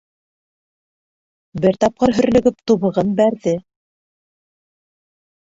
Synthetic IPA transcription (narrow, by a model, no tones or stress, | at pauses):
bɘɾt̪ɑp̚qɤɾɦɵ̆ɾ̆lɵ̆ɡɵp̚t̪ŭβɤ̆ʁɤnbæɾðɘ